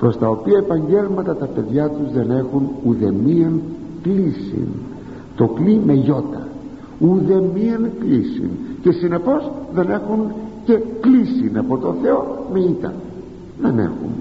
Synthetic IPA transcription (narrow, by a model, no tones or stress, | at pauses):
pɾo̞st̪ɐo̞piɐepɐɲɟe̞lmɐt̪ɐt̪ɐpe̞ðʝɐt̪uzðe̞ne̞xunuðe̞miɐŋ | klisḭn | t̪o̞klime̞ʝo̞t̪ɐ̰ | uðe̞miɐŋklisḭnce̞sine̞po̞zðe̞ne̞xunce̞klisinɐpo̞t̪o̞nθe̞o̞meit̪ɐ̰ | ðenḛxṵn